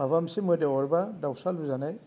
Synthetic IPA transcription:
abamsimɔjdeɔɹbadawsalbuzanaj

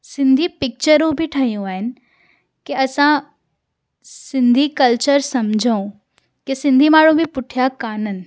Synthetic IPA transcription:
sɪ̃nd̪ʱipɪk̚t͡ɕəɾũbʱɪʈʰɐɦijũaːɦɪnɪ̆ | keɐsã | sɪ̃nd̪ʱikɐlt͡ɕəɾsɐmd͡ʑʱəũ | kesɪ̃nd̪ʱimaːɽ̤ũbʱɪpʊʈʰijakaːnənɪ̆

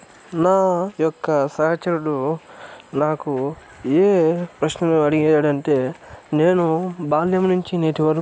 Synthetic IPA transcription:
naːjɔkːɐsɐɦɐt͡ʃɐɾuɽu | naːku | eːpɾɐʃnɐmɐɽiɡɛaːɽɐɳʈeːneːnubaːljɐmnuɲt͡ʃineːʈiʋɐɾ

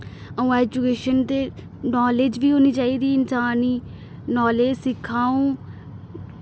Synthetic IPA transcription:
əũːɛːd͡ʒukeːʃənt̪eː | nɔːleːd͡ʒʋiːɦoːniːt͡ʃaːiːd̪iːɪnsaːniː | nɔːleːd͡ʒsɪkʰːãːũː

